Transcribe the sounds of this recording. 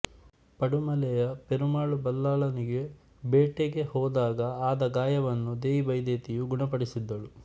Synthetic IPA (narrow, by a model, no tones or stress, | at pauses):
pɐɽumɐlɛjɐpeɾumaːɭubɐlːaːɭɐniɡe | beːʈeɡe̞hɔːd̪aːɡɐaːd̪ɐɡaːjɐʋɐnːud̪eːjibɐjd̪eːt̪ijuɡuɳɐpɐɽisid̪ːɐɭu